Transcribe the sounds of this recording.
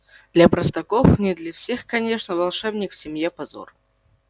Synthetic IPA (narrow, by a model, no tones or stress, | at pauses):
d̪lʲɐpɾəst̪ɐkofnʲɪd̪lʲɐfsʲexkɐnʲe̞ʂnəvɐlˠʂɛbnʲɪkfsʲɪmjepɐzo̰r